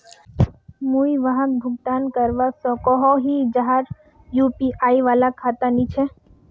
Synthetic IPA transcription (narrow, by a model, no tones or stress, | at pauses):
muiʋəɦãk̚bʱʊɡt̪aːnkəɾʋasɔ̃kɔɦɔɦid͡ʒaɦaɾ | juːpiʔaːiʋaːlakʰaːt̪anit͡ʃʰɛ